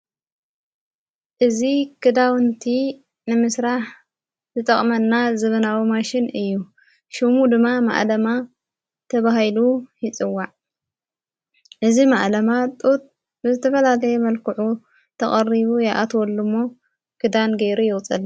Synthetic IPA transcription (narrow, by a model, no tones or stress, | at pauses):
ʔɨzikʰɨd̪awɨnt̪ʰi | nɨmɨsɾaħ | zɨt̪ʼɐχʼmɐnːazɨβɐnawimaʃɪnɨjːu | ʃumud̪ɨmːama̰ʔlɐma | t̪ʰɐβahilujɪt͡sʼɨwːaʕ | ʔɨzimaʔlɐmat̪ʼot̪̚ | bɨzɨt̪ʰɐfɐlalɐjɛmɐlkʰɨʕu | t̪ʰɐχʼɐrːiβujaʔat̪wɔlːumːo̞ | kʰɨd̪anɡɐjɾujɪɣʼt͡sʼɨl